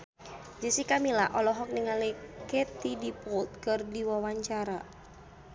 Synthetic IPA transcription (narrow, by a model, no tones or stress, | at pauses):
d͡ʒisikamilaʔɔlɔɦɔk̚niŋalikɛt̪idipɔt̪̚kɨrdiwawaɲt͡ʃaɾa